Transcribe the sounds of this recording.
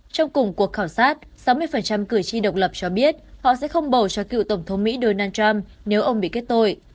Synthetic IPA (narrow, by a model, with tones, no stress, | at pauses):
t͡ɕɔ˧wŋ͡mkʊ˨˩ŋ͡mku˨˩ək̚xaː˧˩wsaː˦˥t̚sa˨˦wmɨ˧əjfə˨˩nt͡ɕa˧mkɨ˧˩əjt͡ɕi˧ɗə˨˩wk͡p̚lə˨˩p̚t͡ɕɔ˧ɓi˦˥ət̚hɔ̰˧˨sɛ̰˧˥xə˧wŋ͡mɓə˨˩wt͡ɕɔ˧˦kḭ˧˨wt̪ə˧˩ŋ͡mt̪ʰə˨˦wŋ͡mmḭ˧˥ɗo˧naː˧nt͡ɕa˧m | ne˨˦wʔə˧wŋ͡mɓḭ˧˨ke˦˥t̚t̪o˧j